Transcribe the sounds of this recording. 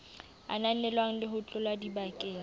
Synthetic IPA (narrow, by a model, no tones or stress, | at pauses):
a̰nanɛlwaŋ̩lɪɦʊt͡ɬʼʊlwadibakʼeː